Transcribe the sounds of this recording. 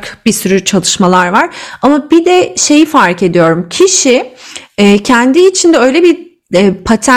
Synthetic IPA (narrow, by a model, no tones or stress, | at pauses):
kbisyɾyt͡ʃʰalˠɯʃmalˠaɾvaɾ̥amabid̪ɛʃe̞jifaɾke̞d̪ijo̞ɾumcʰiʃiː | cʰɛnd̪iːt͡ʃʰind̪ɛø̞jlʲɛbi | ɛpʰat̪ʰæ